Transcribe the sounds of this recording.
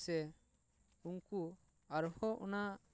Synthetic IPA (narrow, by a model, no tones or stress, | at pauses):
sɛ | uŋku | aɾhɔʔɔ̰na